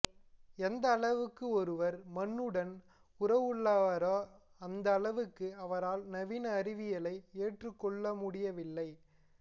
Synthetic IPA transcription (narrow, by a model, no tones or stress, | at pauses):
ɛnd̪ɐːɭɐʋɯkːɯɔɾɯʋɐɾmɐnːɯɽɐn | ʊɾɐʋɯɭːaɐɾa | ɐnd̪ɐːɭɐʋɯkːɯɐʋɐɾaːlnɐʋinɐːɾɪʋɪjɐɭɐɪeːʈrɯkːɔɭːɐmʊɽɪjɐʋɪlːɐɪ